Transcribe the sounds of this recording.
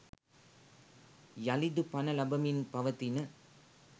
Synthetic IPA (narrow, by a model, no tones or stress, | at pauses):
jɐlɪd̪ɯpɐnɐlɐbɐmɪnpɐʋɐt̪ːinɯ